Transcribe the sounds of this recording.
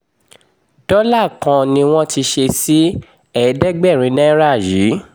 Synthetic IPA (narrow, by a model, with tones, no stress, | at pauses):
d̥ɔ˦la˦˨kã˧nĩ˧w̃ɔ̃˦ti˧ʃe˧si˦ | ɛ˦˨˦dɛ˦ɡ͡bɛ˦˨ɾ̃ĩ˧˦nɛ̃˦ɾa˦˨ji˨˦